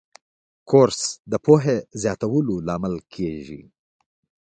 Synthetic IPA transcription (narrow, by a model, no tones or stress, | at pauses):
koɾsd̪əpoɦezjɑt̪awəlolɑmalkʰeʒḭ